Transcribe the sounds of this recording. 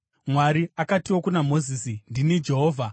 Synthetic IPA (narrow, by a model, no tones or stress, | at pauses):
mwaɾiakatiwo̞kunamo̞zisindinid͡ʒe̞ɦoːvʱa